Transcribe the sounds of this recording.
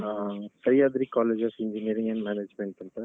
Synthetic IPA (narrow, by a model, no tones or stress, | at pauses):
asɐjaːd̪ɾikaːleːd͡ʒɐsɪɲd͡ʒiniːɐɾĩŋɐnmɛːneːd͡ʒmeɳʈɪɳʈɐ